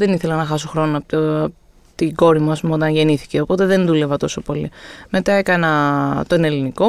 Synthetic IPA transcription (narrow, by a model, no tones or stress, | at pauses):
ðe̞niθe̞lɐnɐxɐs̬oxɾo̞noɐp̪ | t̪iɡo̞ɾimuɐspumɐot̪ɐnʝe̞niθi̥ce̞opo̞t̪eðe̞nðule̞vɐt̪o̞so̞po̞lḭme̞t̪ɐe̞kɐnɐt̪o̞ne̞liniko̞